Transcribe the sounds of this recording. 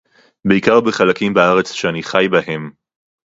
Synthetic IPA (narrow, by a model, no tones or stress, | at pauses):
beikaʁbeχalakimbaaʁe̞t͡sʃeaniχajbahe̞m